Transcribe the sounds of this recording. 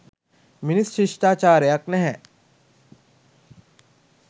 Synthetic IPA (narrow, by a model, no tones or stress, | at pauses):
minisʃiʂʈaːt͡ʃaːɾəjaknɛɦɛ